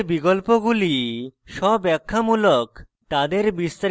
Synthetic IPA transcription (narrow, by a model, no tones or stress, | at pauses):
biɡɔlpɔɡuliʃɔbɛkʰːamulɔk | t̪ad̪eɾbist̪aɾ